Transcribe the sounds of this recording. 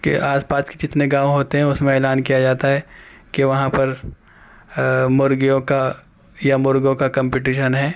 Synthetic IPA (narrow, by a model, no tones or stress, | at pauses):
kḛʔaːspaːsked͡ʒɪt̪neɡaːʋõɦoːt̪eɦɛ̃ʊsmẽeːlaːnkijad͡ʒaːt̪aɦɛːkeʋɐɦãpɐɾ | mʊɾɡijõka | jamʊɾɡjõkakɐ̃mpɪʈiːʃənɦɛː